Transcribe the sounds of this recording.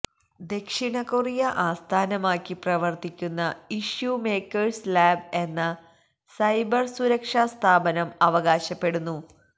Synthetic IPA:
d̪e̞kʂiɳɐkurijɐʔaːst̪ʰaːnɐmaːkːiprɐʋɐrt̪ikʲːunːɐiʂjume̞ːkːɐɻslaːbe̞nːɐ | sɐjbɐrsuɾɐkʂast̪ʰaːbɐnɐmɐʋɐɣaːɕɐpːe̞ɽunːu

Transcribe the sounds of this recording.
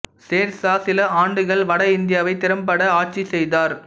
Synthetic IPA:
seːɾsaːsɪlɐaːɳɖɯɣɐɭʋɐɽɐɪnd̪ɪjaːʋɐɪt̪ɪɾɐmpɐɽɐaːʈ̚t͡ʃːisɛjðaːɾ

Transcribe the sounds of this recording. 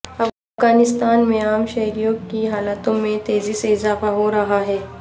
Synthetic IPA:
ɐbɐfɡaːnɪst̪aːnmẽaːmʃɐɦɾijõkiɦaːlat̪õmẽt̪eːziseɪzaːfaɦoɾɐɦaɦɛː

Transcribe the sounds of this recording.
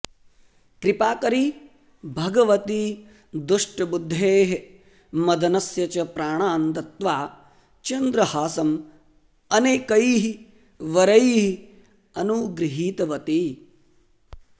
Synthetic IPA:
kɾipaːkɐɾi | bʱɐɡɐʋɐt̪i | d̪uʂʈɐbud̪ʱːeːɦe | mɐd̪ʱɐnɐsjɐt͡ʃɐpɾaːɳaːnt̪ɐt̪ʋaː | t͡ʃɐnd̪ɾɐhaːsɐm | ɐneːkɐjɦi | ʋɐɾɐjɦi | ɐnuːɡɾiɦiːt̪ɐʋɐt̪i

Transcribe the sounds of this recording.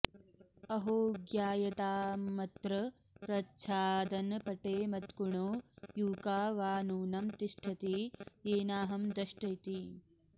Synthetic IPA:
ɐɦoːɡjaːjɐt̪aːmɐt̪ɾɐ | pɾɐtːt͡ʃʰaːd̪ɐnpɐʈeːmɐt̪kuɳoːjuːkaːʋaːnuːnɐmt̪iʃʈʰɐt̪ieːnaːɦɐmd̪ɐʃʈɐjt̪i

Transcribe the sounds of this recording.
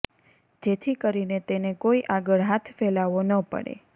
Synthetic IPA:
d͡ʒet̪ʰikəɾinet̪enekoiʔaɡəɭɦat̪ʰfelaʋonəpə̰ɽḛ

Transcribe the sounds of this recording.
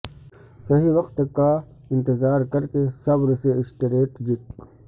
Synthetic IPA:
sɐɦiwɐqt̪ka | ɪ̃nt̪ɪzaːɾkɐɾkesɐbɾseɪʃʈɪɾeːʈd͡ʒɪk

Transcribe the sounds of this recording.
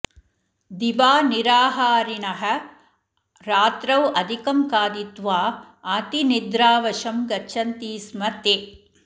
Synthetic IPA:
d̪ibaːniɾaːɦaːɾinɐɦɐ̆ | ɾaːt̪ɾɐwɐd̪ʱikɐmkaːd̪it̪ʋaː | aːt̪inid̪ɾaːʋɐʂɐmɡɐt͡ʃʰɐnt̪iːsmɐt̪e

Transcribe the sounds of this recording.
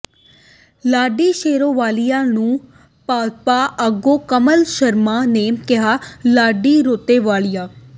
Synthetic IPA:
laːɖiːʃeːɾõːʋaːlijãːnũː | paːpaːʔəɡoːkəməlʃəɾmaːneːkɪɦaːlaːɖiːɾoːt̪eːʋaːlijaː

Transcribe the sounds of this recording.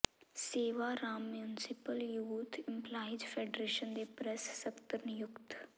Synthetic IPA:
seːʋaːɾaːmjunɪsɪpəljuːt̪ʰɪ̃mpʰlaːɪd͡ʒpʰeːɖɾeːʃənd̪eːpɾɛsːəkt̪əɾnɪjʊkt̪

